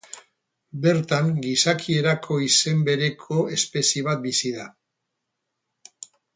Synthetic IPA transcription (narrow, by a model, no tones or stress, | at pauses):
be̞ɾt̪aŋɡisakʰie̞ɾakʰo̞ise̞mbe̞ɾe̞kʰo̞e̞spe̞siβ̞at̪̚bisiða